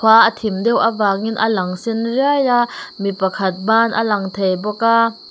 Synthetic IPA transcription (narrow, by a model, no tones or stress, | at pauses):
aːʔət̪ʰimdɛwʔəvaːk̚inʔəlɐŋsinriajamipɐkʰɐt̪̚baːnʔə̰lɐŋt̪ʰejbɔkaː